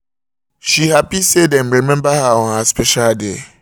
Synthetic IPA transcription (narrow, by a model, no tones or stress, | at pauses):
ʃihapisedɛ̃nɾimɛ̃mbahawɔ̃nhaspʰɛʃalde